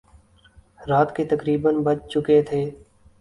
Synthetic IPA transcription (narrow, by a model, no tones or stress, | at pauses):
ɾaːt̪ket̪əkɾiːbənbət͡ʃt͡ʃʊket̪ʰeː